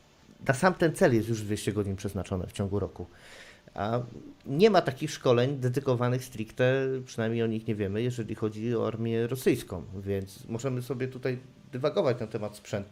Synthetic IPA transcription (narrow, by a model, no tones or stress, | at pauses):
nasamt̪ɛnt̪sɛljɛst̪juʐd̪vʲeɕt͡ɕɛɡɔd͡ʑiɲpʂɛznat͡ʂɔnɘ̰ft͡ɕɔŋɡuɾɔku | a̰ɲɛmat̪akʲixʂkɔlɛɲd̪ɛd̪ɘkɔvanɘxst̪ɾʲikt̪ɛpʂɘnajmɲejɔɲixɲɛvʲjɛmɘjɛʐɛlʲixɔd͡ʑiɔ̰a̰ɾmʲjɛɾɔsɘjskɔ̰̃w̃vʲjɛnt̪smɔʐɛmɘsɔbʲjɛt̪ut̪aj | d̪ɛvaɡɔvat͡ɕt̪nt̪ɛmat̪spʂɛnt̪u